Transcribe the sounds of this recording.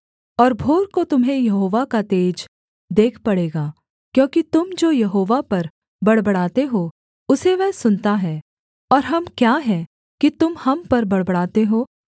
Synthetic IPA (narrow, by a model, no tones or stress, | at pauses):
ɔːɾbʱoːɾkot̪ʊmɦẽjɐɦoːʋakat̪eːd͡ʒ | d̪eːkʰpɐɽeːɡaː | kjõːkit̪ʊmd͡ʒoːjɐɦoːʋapɐɾ | bɐɽbɐɽaːt̪eɦo | ʊseʋɛɦsʊnt̪aɦɛː | ɔːɾɦɐmkjaːɦɛː | kit̪ʊmhɐmpɐɾbɐɽbəɽaːt̪eɦoː